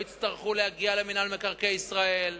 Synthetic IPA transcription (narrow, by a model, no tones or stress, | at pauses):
it̪t͡st̪aʁχulehaɡialeminalmekaʁkeisʁael